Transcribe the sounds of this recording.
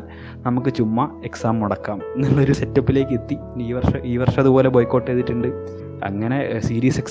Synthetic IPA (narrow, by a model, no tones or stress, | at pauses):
nɐmukːɨt͡ɕumːɐe̞ksaːmːuɽɐkːaːmnilːɐo̞ɾusetːɐpːile̞ːkːɨe̞t̪ːi | iːʋɐrʂɐʔiːʋɐrʂɐɐðubo̞ːle̞boːjkːo̞ːʈːeːðiʈːuɳɖɨ | ɐ̰ŋːɐne̞siːɾiːseks